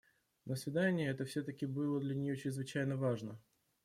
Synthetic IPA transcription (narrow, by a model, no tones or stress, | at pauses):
nəsvʲɪd̪anʲɪjəɛt̪əfsʲot̪əkʲɪbɨlˠəd̪lʲɐnʲɪjot͡ɕɾʲɪzvɨt͡ɕæjnəvaʐnə